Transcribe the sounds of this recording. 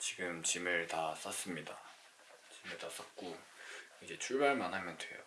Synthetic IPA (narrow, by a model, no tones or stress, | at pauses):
t͡ɕiɡɯmt͡ɕimɯɭtas͈ʌs͈ɯmɲida | t͡ɕimɯɭtas͈ak͈o | id͡ʑe̞t͡ɕʰuɭbaɭmanɦamjʌndwe̞̰jo̰